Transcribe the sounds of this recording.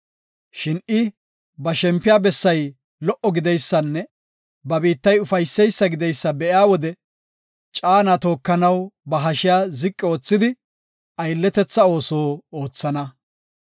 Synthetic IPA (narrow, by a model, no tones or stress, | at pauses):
ʃɪnɪ | bɐʃɛmpːɪjaːbɛsːɐj | lɔʔɔɡɪd̪ɛjsːɐnːɛ | bɐbiːt̪ːɐjʊfɐjsːɛjsːɐɡɪd̪ɛjsːɐbɛjaːwɔd̪ɛ | t͡ʃʼaːnat̪o̞ːkːɐnɐwbɐɦɐʃɪjaːzɪkʼːɪo̞ːt͡sːɪd̪ɪ | ɐjlːɛt̪ɛt͡sːɐo̞ːsoːo̞ːt͡sːɐnɐ